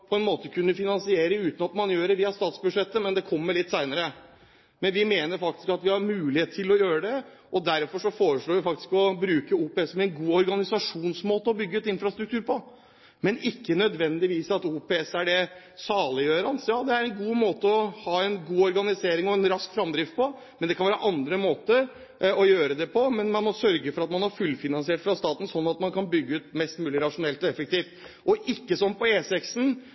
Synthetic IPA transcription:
pʰɔɛnmoːt̪əkʰʉnːəfɪnɑnsɪeːɾəʉːt̪n̩ɑt̪mɑnjøːɖɛʋiːɑst̪ɑːt̪sbʉd̪ʂɛt̪ːəmɛnd̪ɛkʰɔmːəɾɭlɪt̪ːsæɪnəɾə | mɛnʋɪmeːnəɾfɑk̚t̪ɪ̥skɑt̪ʋɪhɑɾmʉːlɪheːt̪̚t̪ʰɪlɔjøːɾəd̪ɛ | ɔd̪æɾfɔʂɔfoːɾəʂɭoːɾʋɪfɑk̚t̪ɪ̥skɔbɾʉːkəuːpɛɛsmɛɛnɡuːɔɾɡɑnɪsɑʂuːnsmoːt̪əɔbʏɡːəɛt̪ɪnfɾɑst̪ɾʉk̚t̪ʉːɾpʰɔ | mɛnɪkːənœd̪ʋɛnd̪ɪʋiːsɑt̪uːpɛɛsæɖɛ | sɑːləjøːɾɑnsjɑːd̪ɛæɾɛnɡuːmoːt̪əɔhɑːɛnɡuːɔɾɡɑnɪseːɾɪŋɔɛnɾɑskfɾɑmd̪ɾɪftpʰɔ | mɛnd̪ɛkʰɑnʋæːɾəʔɑnd̪ɾəmoːt̪ə | ɔjøːɾəd̪ɛpʰɔmɛnmɑnmɔsœɾɡəfɔɾɑt̪mɑnhɑɾfʉlfɪnɑnsɪeːʈfɾɑst̪ɑːt̪n̩sɔnːɑt̪mɑnkʰɑnbʏɡːəʉt̪mɛst̪mʉːlɪɾɑʂʊnɛlt̪ɔɛfək̚t̪iːft̪ɔʔɪkːəsɔnːpɔeːsɛksn̩

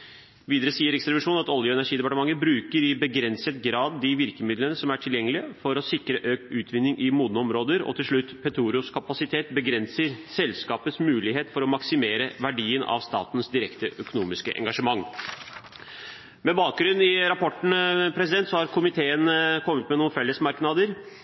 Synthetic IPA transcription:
ʋiːd̪əɾəsiːəɾɛkst̪ɾɑbɪʂuːnɑt̪ɔljəɛnæʂiːd̪ɛpɑʈəmɑŋːəbɾʉːkəɾɪbəɡɾɛnsət̪ɡɾɑːd̪ːɪʋɪɾkəmɪd̪lənəsɔmæʈʰɪljɛŋːəlɪəfɔɾɔsɪkɾəʔøːk̚ʉːt̪ʰʋɪnːɪŋʔɪmuːd̪nɔmɾoːd̪əɾɔ̰t̪ʰɪlʂɭʉt̪ːpʰɛt̪ʰuːɾɪʊskʰɑpɑsɪt̪ʰeːt̪bəɡɾɛnsəɾsɛlskɑːpət̪smʉːlɪɦeːt̪fɔɾɔmɑksɪmeːɾəʋæɖiːənɑ̰ʋst̪ɑ̰ːt̪nsd̪ɪɾɛkt̪əʔœkʊnuːmɪskəʔɛ̰ŋɡɑʂəmɑŋː | mɛbɑːk̚ɡɾʉnːɪɾɑpʰɔʈɳ̩pʰɾɛs̬ɪd̪ɛnt̪sɔhɑɾkʰʊmɪt̪ʰeːənkʰɔmːət̪mɛnuːnfɛlːəsmɑɾknɑd̪əɾ

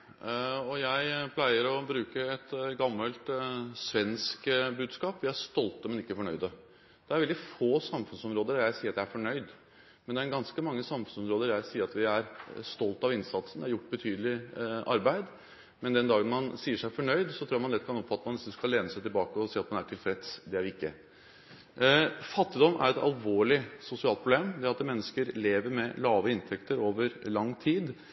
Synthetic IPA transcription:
ɔjæɪpʰlæɪəɾɔbɾʉːkəɛt̪ɡɑmːəlt̪sʋɛnskbʉːd̪skɑːpʋɪæst̪ɔlt̪əmɛnɪkːəfɔɳœʏd̪ə | d̪̥ɛæɾʋɛld̪ɪfoːsɑmfʉnsɔmɾoːd̪əɾjæɪsiːɾt̪jɛææɾfɔɳœʏd̪ | mɛnd̪ɛæɾɡɑnskəmɑŋːəsɑmfʉnsɔmɾoːd̪əɾjæɪsiːəɾɑt̪ʋɪæɾst̪ɔlt̪ɑʋɪnsɑt̪snd̪æɾjʊʈːbət̪ʰyːd̪əlɪʔɑɾbæɪd̪ | mɛnd̪ɛnd̪ɑːɡənmɑnsiːəʂæɪfɔɳœʏd̪sɔt̪ʰɾuːæɾmɑnd̪ɛt̪kʰɑnɔpfɑt̪ːəmɑnɪsɔskɑleːnəsæɪt̪ɪlbɑːkəɔsiːɑt̪mɑnæʈʰɪlfɾɛt̪sd̪ɛæɾʋɪɪkːə̰ | fɑt̪ːɪd̪ɔmʔæ̰ɾɛt̪ɑ̰lʋoːɭɪsʊsɪɑːlt̪pʰɾʊbleːmd̪ɛæɾɑt̪mɛnːəskəɾleːʋəɾmɛlɑːʋəɪnt̪ʰɛkt̪əɾoːʋəɾlɑŋːt̪ʰiːd̪

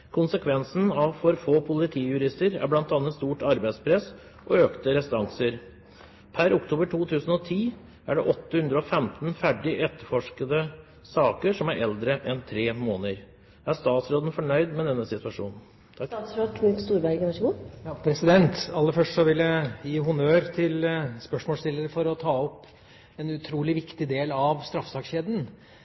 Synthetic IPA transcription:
kʰʊnsəkʰʋɛnsn̩ɑʋfɔɾfoːpʰʊlɪt̪ʰiːjʉɾɪst̪əɾæ̰ɾblɑnt̪ɑːnːət̪st̪uːʈɑɾbæɪspʰɾɛs | ʔɔøːkt̪əɾɛst̪ɑŋsəɾ | pʰæɾʊkt̪ʰuːbəʈʰuːt̪ʰʉːsn̩ɔt̪ʰiː | æɖɛʔɔt̪ːəhʉnd̪ɾəɔfɛmt̪n̩fæɖɪʔɛt̪ːəɾfɔʂkəd̪ə | sɑːkəʂɔmæɾɛld̪ɾəʔɛnt̪ʰɾeːmoːnəɾ | æst̪ɑːt̪sɾoːd̪ən̩fɔɳœʏd̪mɛd̪ɛnːəsɪt̪ʉɑʂṵːnn̩ʰ | sɾoːd̪kʰnʏt̪st̪uːɾbæɾɡənʋæʂəɡuːjɑːpʰɾɛsɪd̪ɛnt̪ɑlːəfœʂʈʂɔʋɪlːəjiːɦʊnøːɾt̪ʰɪlspœʂmoːlst̪ɪlːəɾəfɔɾɔt̪ʰɑːɔpː | ɛnʉt̪ʰɾuːlɪʋɪkt̪ɪd̪eːlɑʋst̪ɾɑfsɑːkɕeːd̪n̩

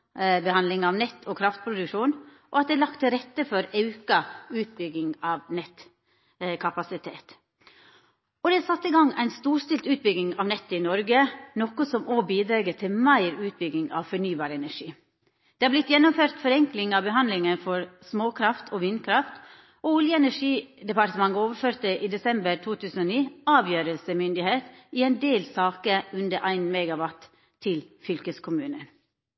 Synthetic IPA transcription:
bəhɑnd̪lɪŋɑʋnɛt̪ːʰɔkʰɾɑft̪̚pʰɾʊd̪ʉkʃuːn | ʔɔɑt̪̚d̪ɛælɑk̚t̪ʰːɪlɾɛt̪ːəfɔɾɑʉkɑʉːt̪̚bʏɡːɪŋɑʋnɛt̪ | kʰɑpɑsɪt̪ʰeːt̪ | ɔd̪ɛsɑt̪ːɪɡɑŋːæɪnst̪uːst̪ɪlt̪ʉːt̪̚bʏɡɪŋɑʋnɛt̪ːɪnɔɾɡənɔkʊsɔmoːbiːd̪ɾeːɡət̪ʰɪlmæɪɾʉːt̪̚bʏɡɪŋɑ̰ʋfɔɳyːbɑːɾəɛnæʂiː | d̪̥eːhɑːblɪt̪ːjɛnɔmføːɾt̪fɔɾɛŋklɪŋɑʋbəɦɑnd̪lɪŋənfɔɾsmoːkʰɾɑft̪ʰoːʋiːnkʰɾɑft̪ | oʊljəɛnæʂiːd̪ɛpɑʈ̪əmɑŋːəoːʋəføːɾt̪əʔiːd̪ɛsɛmbəɾt̪ʰuːt̪ʰʉːsən̩oːniːɑːʋjøːɾəlsəmʏnd̪ɪheːt̪ɪɛɪnd̪eːlsɑːkəʉnd̪əɾʔæɪnmɛːɡɑʋɑt̪ʰː | ɪlfʏlkəskʰʊmʉːnə̰n

